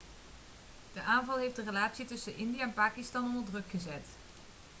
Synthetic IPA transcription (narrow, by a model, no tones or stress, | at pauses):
d̥əʔaːnvɑlˠɦefdərəlaːtsitɵsənʔɪndijaɛnpaːkistɑnɔndəɹdrɵkχəzɛt